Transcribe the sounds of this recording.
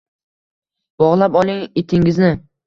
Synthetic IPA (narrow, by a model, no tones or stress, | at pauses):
b̥ɒʁlˠapɒlˠɪŋet̪ʰɪŋɪznɪ